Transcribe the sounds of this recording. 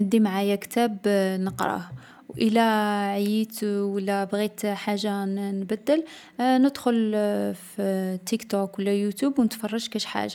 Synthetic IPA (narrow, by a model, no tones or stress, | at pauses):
əd̪ːimʕajækt̪æbnəqɾˤɑ̰h | wʔəlæʕjit̪wəlːæbɣit̪ħaʒːanbæd̪ːəl | nəd̪xʊlft̪ikt̪okwəlːæjut̪ubwnət̪fɑrˤːɑʒkæʃħa̰ʒa